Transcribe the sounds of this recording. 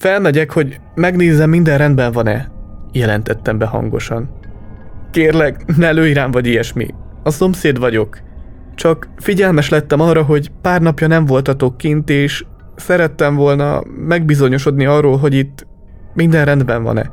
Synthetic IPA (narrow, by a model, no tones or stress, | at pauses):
fɛlmɛɟɛkho̞ɟ | mɛɡneːzɛmːind̪ɛnrɛnd̪bɛɱvɒnɛ̰jɛlɛnt̪ɛt̪ːɛmbɛɦɒ̰ŋɡo̞̰ʃɒn | keːrlɛɡnɛɛløːiɾaːɱvɒɟijɛʃmḭ | ɒso̞mseːd̪ʋɒɟo̞k | t͡ʃɒkfiɟɛlmɛʃlɛt̪ːɛmɒrɒɦo̞ɟpaːrnɒpjɒnɛɱvo̞lt̪ɒt̪okːint̪eːʃ | sɛɾɛt̪ːɛɱvo̞lnɒ̰mɛɡbizo̞ɲo̞ʃo̞d̪niɒrːoːlɦo̞ɟit̪ː | mind̪ɛnrɛnd̪bɛɱvɒ̰nɛ̰